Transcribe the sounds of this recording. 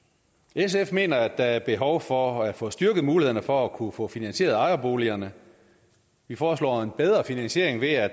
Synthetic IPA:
es̬efme̝̰ːnɐæd̥ɑ̈æɐb̥e̝ɦɒ̽ʊfɒæ̥fɔ̰̽ːsd̥yɐɡ̥ð̩ˠmuːlieð̰ˠnɐfɒ̽ækʰufɔ̰̽ːfinænɕe̝̰ːɐð̩ˠɑ̈ɪɐb̥o̝̰ːliɐnə | ʋifɒːslɔ̰ːe̝nb̥eð̞ˠʁɐfinænsɕe̝ɐe̝ŋʋe̝æ̥

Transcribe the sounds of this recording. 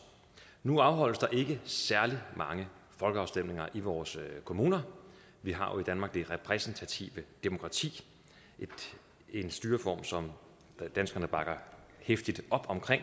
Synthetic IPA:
nuɑ̈ʊɦɒ̽l̰əsd̥ɑ̈ʔe̝ɡ̥əsæɐlimʔɑ̈ŋəfɒ̽lɡ̥əɑ̈ʊsd̥em̰ne̝ŋɐʔiʋɒːskʰo̝muːnɐ | ʋiɦɑ̈jo̝id̥ænmɑ̈ːɡ̥̚d̥e̝ʁɛpʰʁɛsnt͡sʰæt͡sʰḭʋəd̥e̝mo̝kʰʁɑ̈t͡sʰḭː | ʔed̥ | e̝nsd̥yːɐfɒ̰ːmsɒ̽m | d̥ænsɡ̥ɐnəb̥ɑ̈ɡ̥ɐ | hefd̥id̥ɒ̽b̥ɒ̽mkʰʁeŋ̰

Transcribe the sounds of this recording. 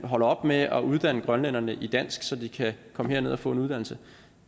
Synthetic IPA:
ɦɒ̽lɐɒ̽b̥meɒ̽ʔuðˠd̥æn̰əɡ̥ʁɶnlen̰ɐnəʔid̥æn̰sɡ̥sɒ̽d̥ikʰækʰɒ̽məheɐe̝ð̞̰ˠɐfɔ̰̽ːe̝nuðˠd̥æn̰l̩sə

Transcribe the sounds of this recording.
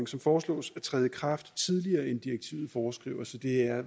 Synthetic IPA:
ŋsɒ̽mfɒːslɔ̰̽ːsæt͡sʰʁɛːðˠjəkʰʁɑ̈fd̥t͡sʰið̞ˠliɐːend̥iʁeɡ̥̚t͡sʰḭʊð̞̩ˠfɒːsɡ̥ʁḭʊɐsɒ̽d̥e̝æɐ

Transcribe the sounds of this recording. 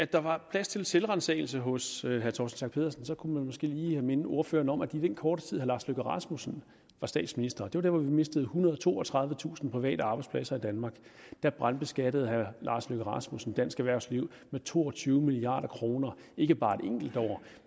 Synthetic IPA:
æd̥ɑ̈ʋɑ̈pʰlæst͡sʰe̝lselʁɑ̈nsḛːɪl̩səɦɔ̽sɦæɐt͡sʰɒ̰ːsn̩sɑ̈ŋɡ̥̚pʰe̝ðˠɐsn̩sɒ̽kʰumænmɒ̽sɡ̥e̝̰ːliːhæme̝nəo̝ɐfø̰ːɐnəɒ̽mʔæd̥id̥en̰kʰɒːɾ̥ə̥t͡sʰið̰ˠhæɐlɑ̈ːsløɡ̥əʁɑ̈smusn̩ | ʋɑ̈sd̥ɛ̰ːd̥sminisd̥ɐd̥e̝ʋɑ̈d̥æɐʋɒʋime̝sd̥əð̞̩ˠhunɐðˠɒt͡sʰo̝̰ːɒt͡sʰʁɑ̈ð̞ˠʋət͡sʰṵːsn̩pʰʁiʋɛ̰ːɾəɑ̈ːbɑ̈ɪdspʰlæsɐid̥ænmɑ̈ːɡ̥d̥æb̥ʁɑ̈nb̥esɡ̥æd̥əð̞̩ˠhæɐlɑ̈ːsløɡ̥əʁɑ̈smusn̩d̥æn̰sɡ̥æʋæɐʊsliʊ̰ | met͡sʰo̝̰ːɒt͡sʰyːʊəmiliɑ̰̈ːɾ̥ɐkʰʁo̝ːnɐe̝ɡ̥əb̥ɑ̈ːe̝d̥eŋ̰ɡ̥l̩d̥ɒ̰ʊ̰

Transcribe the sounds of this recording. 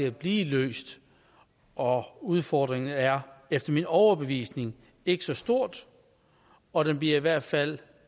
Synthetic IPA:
e̝æb̥liːlø̰ːsd̥ | ʔɒ̽uð̞ˠfɒːd̥ʁeŋn̩æɐefd̥ɐminɒʊɐb̥e̝ʋḭːsne̝ŋ | e̝ɡ̥əsɒ̽sd̥o̝ɐ̰d̥ | ɒ̽ɾ̥enb̥liɐiʋæɐ̰d̥fæl̰

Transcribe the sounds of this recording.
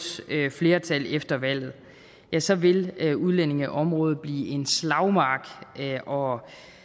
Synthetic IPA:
øfle̝ːɐt͡sʰælefd̥ɐʋæl̰ð̞̩ˠ | jæsɒ̽ʋe̝løuðˠlen̰e̝ŋæʔɒ̽mʁɔ̽ːð̞̩ˠb̥lḭːʔe̝nslɑ̈ʊmɑ̈ːɡ̥ʔɒ̽

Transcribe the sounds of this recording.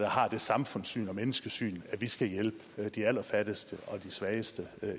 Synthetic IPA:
d̥ɑ̈ɦɑ̈d̥e̝sɑ̈mfɔ̽n̰sy̰ːnɒ̽menəsɡ̥əsy̰ːnæʋisɡ̥æjelb̥əd̥iæl̰ɐfæd̥əsd̥əɒ̽d̥isʋɛːɪəsd̥ə

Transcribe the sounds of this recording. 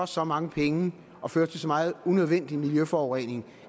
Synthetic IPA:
ɒsɒ̽mɑ̈ŋəpʰeŋə | ɒ̽føːɐt͡sʰe̝sɒ̽mɑ̈ːð̞̩ˠunøð̞ˠʋen̰d̥imiljøfɒːʁɛn̰e̝ŋ

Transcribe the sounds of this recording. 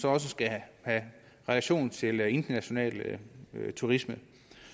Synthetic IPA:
sɒ̽ɒ̽s̬əsɡ̥æhæ | ʁɛlæɕo̝̰ːnt͡sʰe̝le̝nd̥ɐnæɕo̝nɛ̰ːl | t͡sʰuʁismə

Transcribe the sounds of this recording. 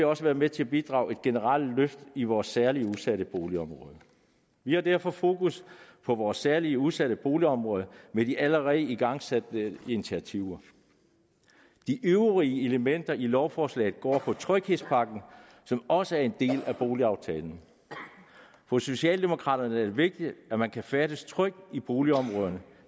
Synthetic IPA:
ɒ̽səʋæːɐmet͡sʰe̝æb̥id̥ʁɑ̰̈ʊe̝d̥̚ɡ̥e̝nəʁɑ̈l̰løfd̥iʋɒːsːæɐliəuðˠsæɾəb̥o̝ːliɒ̽mʁɔ̽ːð̞ˠ | ʋihɑ̈d̥æɐ̰fɒ̽fo̝ːkʰuspʰɒ̽ʋɒːsæɐliəuðˠsæɾ̥əb̥o̝ːliɒ̽mʁɔ̽ːð̞ˠɐmed̥iʔæləʁɛð̩əiɡ̥ɑ̈ŋ̰sæd̥əinit͡sʰiæt͡sʰiʊ̰ɐ | d̥iʔøʊəʁiəe̝ləmen̰d̥ɐilɒʊfɒːslɛ̰ɪð̩ˠɡ̥ɒ̰ːpʰɒ̽t͡sʰʁœɡ̥he̝spʰɑ̈ɡ̥n̩ | sɒ̽mɒ̽səæɐe̝nd̥e̝̰ːlæb̥o̝ːliɑ̈ʊt͡sʰɛ̰ːln̩ | fɒ̽so̝ɕɛ̰ːld̥e̝mo̝kʰʁɑ̰̈ːdɾ̥ɐnəæɐd̥e̝ʋe̝ɡ̥̚d̥id̥æmænkʰæfæɾ̥əst͡sʰʁœɡ̥̚ib̥o̝ːliɒ̽mʁɔ̽ːð̞ˠɐnə

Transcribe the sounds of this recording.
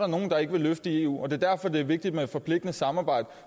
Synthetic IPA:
ɾɑno̝ːn̩d̥ɑ̈e̝ɡ̥əʋe̝løfd̥əie̝ṵːɒ̽d̥e̝æɐd̥æɐfɒ̽d̥e̝æɐʋe̝ɡ̥̚d̥id̥med̥fɒ̽pʰle̝ɡ̥̚d̥nəsɑ̈mɑ̈ːb̥ɑ̈ɪ̰d̥ə

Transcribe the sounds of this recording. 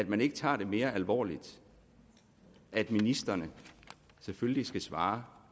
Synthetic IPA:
æd̥mæne̝ɡ̥ət͡sʰɑ̰̈ːd̥e̝me̝ːɐʔælʋɒ̰ːlid̥ | ʔæd̥minisd̥ɐnə | seføllisɡ̥æsʋɑ̈ː

